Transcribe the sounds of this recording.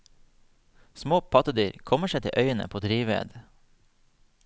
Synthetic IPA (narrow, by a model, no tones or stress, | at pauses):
smoːpʰɑt̪əd̪yːɾkʰɔməʃeːt̪ɪ̰ʔœʏənə̰pʰoːd̪ɾiːʋḛːd̪